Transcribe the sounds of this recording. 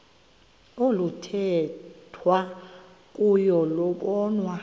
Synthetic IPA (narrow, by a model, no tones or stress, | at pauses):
olutʰɛtʰwa | k̬ʼujɔlɔɓɔːnwa